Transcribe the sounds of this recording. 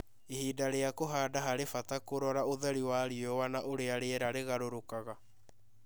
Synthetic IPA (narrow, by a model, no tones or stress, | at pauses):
ehiːdaɾeakoɦaːdaɦaɾefatakoɾɔɾaoðɛɾiwaɾiɔwanaʔoɾeaɾeɛɾaɾeɣaɾoɾokaɣa